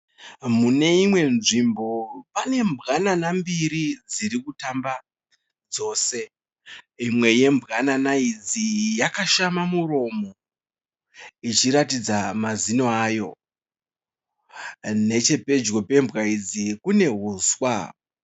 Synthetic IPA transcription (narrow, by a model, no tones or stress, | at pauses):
mune̞imwe̞nʐimbo̞pane̞mbɣananambiɾid͡ziɾikutamba | d͡zo̞ːse̞ | imwe̞je̞mbʱɣananaid͡zijakaʃamamuro̞mo | it͡ʃiɾatid͡zamazinoaːjo̞ | ne̞t͡ʃe̞pe̞d͡ʒɣo̞pe̞mbɣaid͡zikune̞ɦuːswa